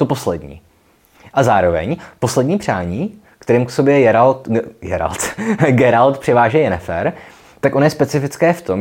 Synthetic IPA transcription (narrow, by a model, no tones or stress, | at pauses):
t̪opo̞slɛdɲḭː | ʔazaːɾo̞vɛ̰ɲpo̞slɛdɲiːpr̝̥aːɲiː | kt̪ɛɾiːmksobjɛjɛɾalt̪jɛ̰ɾa̰lt̪ɡɛɾalt̪pr̝̥ɪvaːʒɛjɛnɛfɛ̰ɾ | t̪akʔonojɛspɛt͡sɪfɪt͡skɛːft̪o̞m